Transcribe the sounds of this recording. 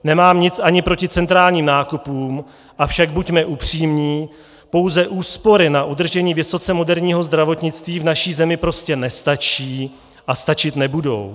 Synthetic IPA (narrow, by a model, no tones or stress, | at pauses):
nɛmaːmɲɪt͡sʔaɲɪpɾo̞cɪt͡sɛnt̪ɾaːlɲiːmnaːkupuːm | ʔafʃaɡ̚bucmɛʔupr̝̥iːmɲiː | po̞wzɛʔuːspo̞ɾɪnaʔud̪r̩ʒɛɲiːvɪso̞t͡sɛmo̞dɛɾɲiːɦo̞zd̪ɾavo̞t̪ɲɪt͡st̪viːvnaʃiːzɛmɪpɾo̞scɛnɛst̪at͡ʃiː | ʔast̪at͡ʃɪt̪nɛbudo̞̰w